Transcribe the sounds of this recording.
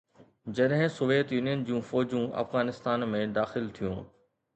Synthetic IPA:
d͡ʑɐɗɦɪ̃soːʋeːt̪juːnijənd͡ʑũːfɔːd͡ʑũʔɐ̰fɣaːnɪst̪aːnmẽd̪aːxɪlt̪ʰijũː

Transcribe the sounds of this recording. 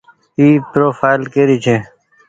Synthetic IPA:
iːpɾoːfaːɪlkeːɾiːt͡ʃʰeː

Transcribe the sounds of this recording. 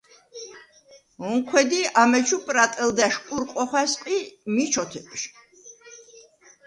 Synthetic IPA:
ɔŋkʰwɛd̪iamɛt͡ʃʰupʼɾat̪ʼɛld̪aʃkʼuɾqʼɔχwasqʼimit͡ʃʰɔt̪ʰɛpʃ

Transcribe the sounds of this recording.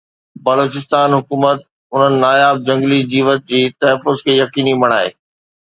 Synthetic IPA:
bɐloːt͡ɕɪst̪aːnɦʊkuːmət̪̚ | ʊn̤ənɪ̆naːjaːb̚d͡ʑɐ̃ŋɡlid͡ʑiːʋət̪̚d͡ʑiːt̪ɐɦəfːʊzkʰeːjɐkiːnimɐɽ̃aːḛː

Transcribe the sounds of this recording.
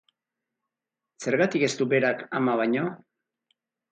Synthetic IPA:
se̞ɾɣat̪ike̞st̪ube̞ɾakamaβ̞aɲo̞

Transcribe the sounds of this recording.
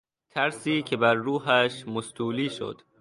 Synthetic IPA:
t̪ʰæɾsiːcʰe̞bæɾːuːɦæʃmost̪uːliːʃo̰d̪̥

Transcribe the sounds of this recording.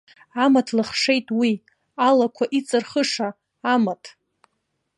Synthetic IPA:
amatʰlɨχʂe̞jtʼwi | alakʷʰaʔit͡sʼɨrχəʂaː | matʰʼ

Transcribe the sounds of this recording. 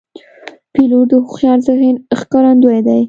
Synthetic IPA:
piloʈ̚d̪əhuxjɑɾzaɣinxkɑɾand̪ojd̪aj

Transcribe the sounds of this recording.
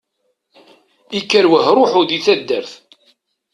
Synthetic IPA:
ikːæɾwəɦɾˤʊħʊðiθæd̪ːəɾθ

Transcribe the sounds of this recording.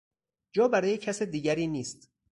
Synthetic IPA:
d͡ʒɒːbæɾɒːjecʰæsed̪iːɟæɾiːniːst̪

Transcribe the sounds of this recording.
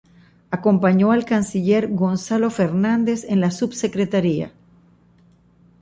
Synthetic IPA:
ako̞mpaɲo̞alkansiʎe̞ɾɣo̞nsalo̞fe̞ɾnand̪e̞se̞nlasubse̞kɾe̞t̪aɾia̰

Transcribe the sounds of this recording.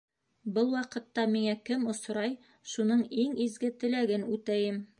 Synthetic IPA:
bɤlˠwɑqɤ̆t̪ːɑmiŋækɘmŏsɾɑj | ʃunɤɴiŋizɡɘt̪ɘ̆læɡɘnʉt̪æjɘm

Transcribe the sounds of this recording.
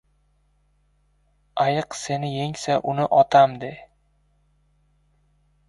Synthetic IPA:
ajɨqsenɪjeŋsaʔʊnɪʔɒt̪ʰamd̪ɪ

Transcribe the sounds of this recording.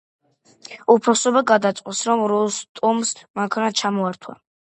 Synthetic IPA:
upʰasɔbaɡad̪at̪sʼqʼwɔsɾɔmɾɔst̪ʼumsmaŋkʰanat͡ʃʰamɔaɾt̪ʰwa̰

